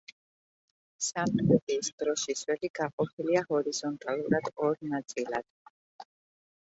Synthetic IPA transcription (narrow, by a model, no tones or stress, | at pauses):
samt̪ɛt̪ʼiːsd̪̥ɾɔʃiswɛliɡaqʼɔpʰiliahɔɾiz̥ɔnt̪ʼalˠuɾad̪̥ɔɾnat̪sʼilˠad̪̥